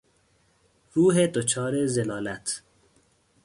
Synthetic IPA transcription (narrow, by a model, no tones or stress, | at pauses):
ɾuːɦed̪ot͡ʃʰɒːɾezelɒːlæt̪ʰ